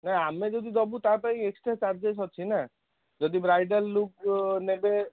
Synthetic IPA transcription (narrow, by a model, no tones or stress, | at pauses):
naamed͡ʒɔd̪id̪ɔbut̪apaĩeksʈɾat͡ʃaɾd͡ʒes̬ɦɔt͡ʃʰina | d͡ʒɔd̪ibɾajɖalːuk̚nebe